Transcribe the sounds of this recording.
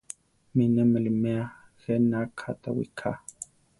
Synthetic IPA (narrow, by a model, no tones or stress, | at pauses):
minɛmɛlimɛa | ɣɛnakʰat̪a̰wḭkʰa̰